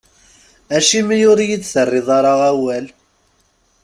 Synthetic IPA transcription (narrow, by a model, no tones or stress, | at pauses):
æʃimijʊɾjit͡sːθərˤːɪðˤɑɾˤɑʁæwæl